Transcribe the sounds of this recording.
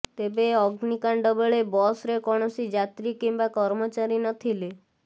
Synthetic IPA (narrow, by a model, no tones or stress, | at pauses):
t̪ebeɔɡnikaɳɖɔbəɭebɔsɾekɔɽ̃ɔsid͡ʒat̪ɾikimbakɔɾmɔt͡ʃaɾinɔt̪ʰile